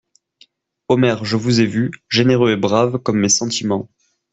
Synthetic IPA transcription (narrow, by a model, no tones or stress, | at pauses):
omɛʁʒəvuzevyʒeneʁøebʁavkɔmːesɑ̃t̪imɑ̃